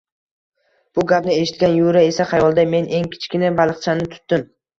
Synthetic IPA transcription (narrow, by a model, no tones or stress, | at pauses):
b̥ʊɡʲapnɪe̞ʃɪ̥t̪̚ɡʲanjʊɾae̞saχajɒlˠd̪ame̞nʔe̞ŋkʲʰɪ̥t͡ʃkʲɪnɪbalˠɨqt͡ʃʰanɪt̪ʰʊ̥t̪ːɪm